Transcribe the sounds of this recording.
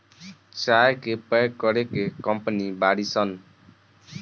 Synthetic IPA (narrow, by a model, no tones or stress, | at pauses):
t͡ʃajkepəjkɔɽekekɔmpnibaɽisʌn